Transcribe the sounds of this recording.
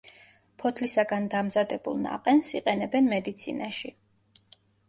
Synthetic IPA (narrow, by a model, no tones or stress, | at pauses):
pʰɔt̪ʰlisaɡand̪amzad̪ɛbṵlˠna̰qʼɛnsiqʼɛnɛbɛnmɛd̪it̪sʰḭnaʃi